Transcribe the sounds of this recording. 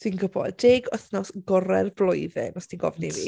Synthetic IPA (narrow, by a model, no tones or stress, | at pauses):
d̥inɡəbɔ̰ddeːɡɔθnɔsɡɔɾɛrblˠɔjðɪ̰nɔstʰinɡɔ̰vnivḭ